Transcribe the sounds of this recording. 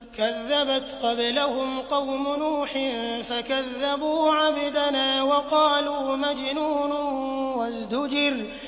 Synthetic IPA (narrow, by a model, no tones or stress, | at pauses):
kaðːabat̪qɑblahʊmqɑwmʊnuːħɪfakaðːabuːʕabɪd̪anaːwɑqɑːluːmad͡ʒnuːnʊwazd̪ʊd͡ʒɪɾ